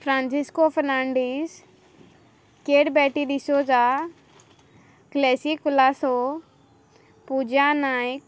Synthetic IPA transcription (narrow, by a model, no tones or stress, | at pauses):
fɾãːnsiskofəɾnaːɳɖis | keːɖbɛːʈiɗ̪ɪsod͡ʒaː | klɛːsikːʊlaːso | pud͡ʒanaːik